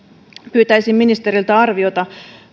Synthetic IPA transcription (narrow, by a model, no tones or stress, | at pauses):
pyːt̪æijsimminist̪eɾilt̪æɑrʋio̞t̪ɑ